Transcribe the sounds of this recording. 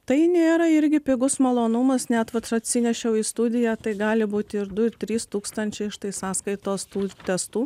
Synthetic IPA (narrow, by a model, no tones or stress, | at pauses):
t̪ɐɪnʲeːɾɐɪɾʲɡʲɪpʲɪɡʊsmɐlˠoːnʊmɐsnʲɛt̪ʋɐt̪ɐt̪ʲsʲɪnʲɛʃʲɛʊiːst̪ʊd̪ʲɪjæːt̪ɐɪɡɑːlʲɪbuːt̪ʲɪɪɾd̪ʊɪɾt̪ʲɾʲiːst̪uːkst̪ɐnʲt͡ʃʲɛɪɪʃt̪ɐɪsɑːskɐɪt̪oːst̪uːt̪ʲɛst̪uː